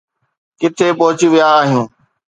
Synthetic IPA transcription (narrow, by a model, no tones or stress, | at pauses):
kɪt̪ʰepɔɦʊt͡ɕiʋijaːɦijũː